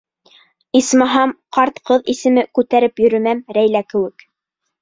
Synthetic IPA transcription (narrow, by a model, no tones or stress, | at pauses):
ismɑɦɑmqɑɾt̪qɤðisɘ̆mɘkʉt̪æɾɘpjɵ̆ɾɵ̆mæmɾæjlækɘ̆wɘk